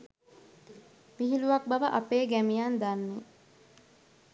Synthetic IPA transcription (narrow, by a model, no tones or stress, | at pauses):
ʋiɦiluʋak̚baʋəʔapeːɡæmijand̪anːe